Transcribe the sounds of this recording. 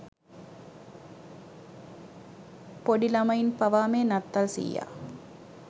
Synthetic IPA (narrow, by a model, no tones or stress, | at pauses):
poɖilɐmɐjinpɐʋaːmeːnɐt̪ːɐlsḭjːa̰ː